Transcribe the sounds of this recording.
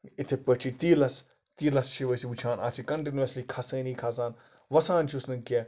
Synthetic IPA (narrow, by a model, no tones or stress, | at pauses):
ɪt̪ʰepəʈʰit̪iːlɐs | t̪iːlɐsʃʰiʋɐsiut͡ʃʰaːna̰ːt͡ʃʰikɐɳʈinʋɐslikʰaːsəːniːkʰaːs̬aːn | ʋɐsãːnt͡ʃʰiusnɐnkiɐ